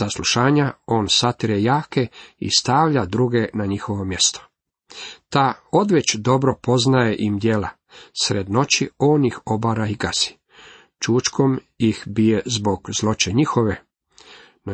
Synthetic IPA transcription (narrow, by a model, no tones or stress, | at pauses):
sasluʃaːɲao̞ːnsat̪iɾejaːkeḭst̪aːʋʎad̪ɾuɡe̞naɲixo̞ʋo̞mje̞st̪o̥ | t̪ao̞d̪ʋet͡ɕd̪o̞bɾo̞po̞znajeʔimd̪jela | sɾed̪no̞t͡ɕio̞ːnixo̞baɾaiɡazi̥ | t͡ʃuːt͡ʃko̞m | jixbije̞zbo̞ɡ̥zlˠo̞t͡ɕeɲixo̞ʋe | n